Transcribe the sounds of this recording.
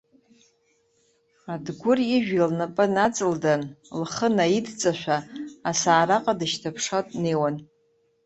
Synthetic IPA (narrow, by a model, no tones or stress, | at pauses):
adɡʷʊriʒᶣilnapʼɨnat͡sʼɨldanlχənajidt͡sʼaʃʷᶣaːsaːɾaqʼadɨʃtʰapʰʂatʼneːwan